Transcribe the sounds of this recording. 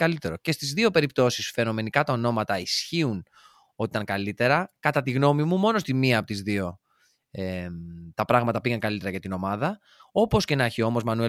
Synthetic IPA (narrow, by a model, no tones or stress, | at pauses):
kɐlit̪e̞ɾo̞ce̞st̪izðio̞pe̞ɾip̚t̪o̞sisfe̞no̞me̞nikɐt̪ɐo̞no̞mɐt̪ɐisçiun | o̞t̪it̪ɐŋkɐlit̪e̞ɾɐkɐt̪ɐt̪iɣno̞mimumo̞no̞st̪imiɐːpot̪izðio̞ | et̪ɐpɾɐɣmɐt̪ɐpiɣɐŋkɐlit̪eɾɐʝɐt̪ino̞mɐðɐ | o̞po̞sce̞nɐçio̞mo̞zmɐnue